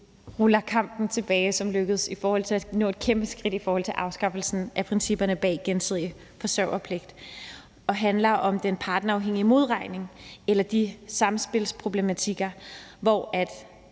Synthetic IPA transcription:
ʁɔlɐkʰɑ̈m̰b̥n̩t͡sʰe̝b̥ɛːɪsɒ̽mløɡ̥ð̞̩ˠsifɒːhɒ̽l̰t͡sʰe̝lænɔ̰̽ːed̥kʰemb̥əsɡ̥ʁid̥ifɒːhɒ̽l̰t͡sʰe̝lʔɑ̈ʊsɡ̥ɑ̈fl̩sn̩ʔæpʰʁinsib̥ɐnəb̥ɛ̰ːɡ̥ensið̞̰ˠiə | fɒ̽sɶʊ̰ɐpʰle̝ɡ̥d̥ | ɒ̽ɦænlɐʔɒ̽md̥enpʰɑ̈ːd̥n̩ɐɑ̈ʊɦeŋ̰imo̝ð̞ˠʁɑ̈ɪne̝ŋelɐd̥isɑ̈msb̥e̝lspʰʁo̝b̥le̝mæt͡sʰiɡ̥ɐʋɒæd̥

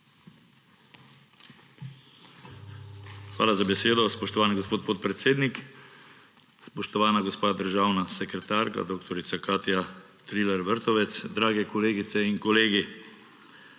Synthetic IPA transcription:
xʋa̰ːlazabɛseːd̪ɔspɔʃt̪ɔʋaːniɡospoːt̪̚poːt̪pɾɛt̪seːd̪nik | spɔʃt̪ɔʋaːnaɡospaːd̪əɾʒaːwnasɛkɾɛt̪aːɾka̰d̪oːkt̪ɔɾit̪sakaːt̪ja | t̪ɾilɛɾʋəɾt̪ɔʋɛt̪sd̪ɾaːɡɛkɔleːɡit̪sɛiŋkɔleːɡi

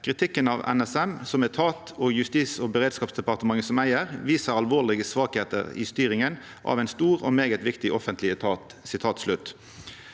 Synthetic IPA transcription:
kʰʁɪt̪ʰɪkːənɑʋɛ̰nɛsɛmsɔmɛt̪ʰɑːt̪ɔjʉst̪iːsɔːbəʁeːd̪skɑːpsd̪ɛpɑʁt̪əmɑŋːəsɔmæɪəʁʋiːsəɾɑlʋoːlɪɡəsʋɑːkheːt̪ə̰ʁɪ̰st̪yːɾɪŋən | ʔɑ̰ʋæɪnst̪uːʁɔ̰meːɡət̪ʋɪkt̪ɪʔɔfənt̪lɪt̪ʰɑt̪sɪt̪ʰɑːt̪slʉt̪ː

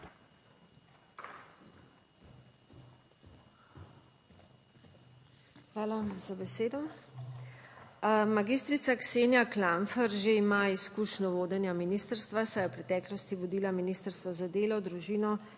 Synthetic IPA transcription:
xʋaːlazabɛseːd̪ɔ | maɡist̪ɾit̪sakseːnjaklaɱfɛɾʒeimaiskuʃnɔʋoːd̪ɛnjaminist̪əɾst̪ʋasajɛwpɾɛt̪ɛːklɔst̪iʋɔd̪iːlaminist̪əɾst̪ʋɔzad̪eːlɔd̪ɾuʒiːnɔ

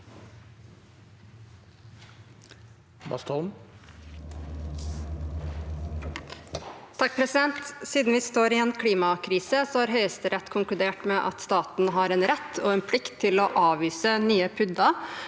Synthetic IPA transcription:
bɑ̰st̪ʰɔlm | t̪ʰɑk̚pʰɾɛsɪd̪ɛnt̪siːd̪n̩ʋɪst̪oːɾɪɛnkʰliːmɑkʰɾiːsəsoːhɑːɾɦœʏəst̪əɾɛt̪ːkʰʊŋklʉd̪eːʈmeːʔɑ̰t̪st̪ɑːt̪n̩ɦɑːɾeːnɾɛt̪ʰːoːeːnpʰlɪkt̪ʰːɪloːʔɑːʋiːsənyːəpʰʏd̪ɑ

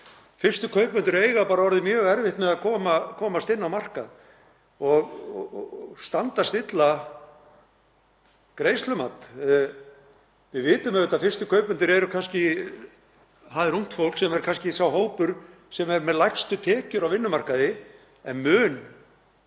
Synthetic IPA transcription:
fɪr̥st̪ʏkʰœːɥpmʏnt̪ʏɾeːjɣapaːɾavɔɾðɪmjœːɣɛɾvɪht̪mɛðakʰɔːmakʰɔːmast̪ɪnːawmar̥kað | ɔɣ | st̪ant̪ast̪ɪt̪la | kɾejslʏmat̪ | vɪðvɪːt̪ʏmɛʏt̪afɪr̥st̪ʏkʰœɥpʏnt̪ʏɾɛɾʏkʰanscɪ | ɦaðɪɾuŋ̥t̪fowlsɛmɛɾ̥kʰanscɪsawɦoːwpʏɾ̥ | sɛmɛɾmɛðlajxst̪ʏt̪ʰɛːcʏɾawvɪnːʏmar̥kaðɪ | ɛnmʏːn

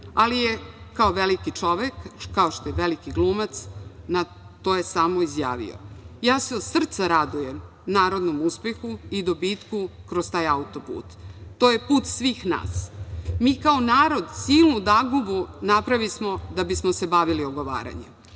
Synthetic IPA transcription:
alijekaoʋelikit͡ʂo̞ʋekːaoʃt̪ojeʋelikiɡlˠuːmat̪sna | t̪oːjesaːmoizja̰ːʋḭo̰jaːseod̪sr̩t̪saɾad̪ujem | naːɾo̞d̪nomuspe̞xuid̪o̞bit̪kukɾost̪aːjaut̪o̞pṵːt̪ːoje̞puːt̪sʋiːxna̰ːsmiːkao̞naːɾo̞d̪siːlˠnud̪aɡubunapɾaʋismo̞d̪abismose̞baʋilioɡo̞ʋa̰ːɾa̰ɲem

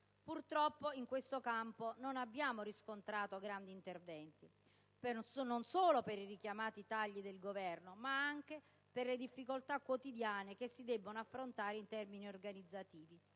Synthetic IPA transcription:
purt̪ɾɔpːoiŋkwest̪okampononabːjaːmoɾiskont̪ɾaːt̪oɡɾand̪iːnt̪ervɛnt̪i | psnonsoːlopeɾirik̟jamaːt̪it̪aʎːid̪elɡovɛrnomaaŋk̟e | perled̪ifːikolt̪akwot̪id̪jaːnekesːid̪ɛbːonoafːɾont̪aːɾeint̪ɛrminiorɡanid̪zːat̪iːvi

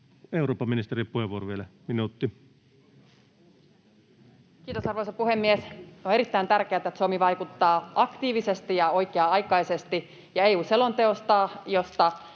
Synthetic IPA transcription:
euroːpːɑminist̪eripuheʋuoroʋielæminuːˑt̪ːi | kiːt̪osɑrʋoisɑpuhemːiesoneɾit̪ːæint̪ærkeæt̪æet̪somiʋɑikut̪ːɑːʔɑkt̪iːʋise̞st̪ijɑoikeɑɑjkɑise̞st̪i | jɑeːuːselont̪eost̪ɑːjost̪ɑ

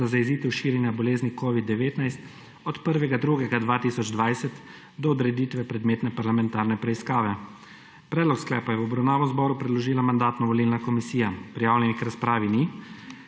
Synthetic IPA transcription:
zazaɛziːt̪ɛwʃiːɾʲjɛnjabɔleːznikɔːʋid̪ːɛʋeːt̪najst̪ | ɔt̪pəɾʋɛɡad̪ɾuːɡɛɡad̪ʋaːt̪iːsɔd͡ʒd̪ʋajsɛt̪ | d̪ɔːd̪ɾɛd̪iːt̪ʋɛpɾɛd̪meːt̪nɛpaɾlamɛ̃nt̪aːɾnɛpɾɛiskaːʋɛ | pɾɛd̪lɔksklɛːpajɛwɔbɾawnaːʋɔzbɔːɾupɾɛd̪lɔʒiːlamand̪aːt̪nɔʋɔliːlnakɔmisiːjapɾijaːwnʲɛnikɾaspɾaːʋini

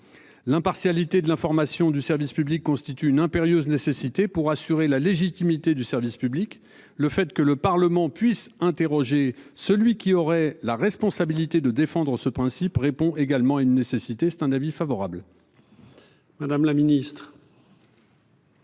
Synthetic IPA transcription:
lɛ̃paʁsjalit̪ed̪əlɛ̃fɔʁmasjɔ̃d̪ysɛʁvispyblikːɔ̃st̪it̪yːnɛ̃peʁjøznesesit̪epuʁasyʁelaleʒit̪imit̪ed̪ysɛʁvispyblik | ləfɛt̪kələpaʁləmɑ̃pɥisɛ̃t̪eʁɔʒesəlɥikʲiɔʁɛlaʁɛspɔ̃sabilit̪ed̪əd̪efɑ̃d̪ʁəsəpχɛ̃sipʁepɔ̃ʔeɡalmɑ̃aynːesesit̪esɛ̥t̪ɛ̃navifavɔʁabl | mad̪amlaminist̪χ

